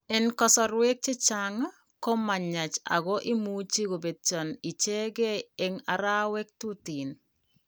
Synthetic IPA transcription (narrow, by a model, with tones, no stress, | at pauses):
ɛ˨nkɔ˦sɔ˨ɾwe˦k̚t͡ʃɪ˦t͡ʃaŋa˦ | ko˦ma˨ɲa˨t͡ʃa̰˨ɣɔ˦ʔɪ˦mu˦t͡ʃi˦ɡo˨be˨t̪̚t͡ʃɔ˨ni˨t͡ʃe˦ɡe˦eŋa˨ɾa˦wɛ˦k̚tu˦ti˨n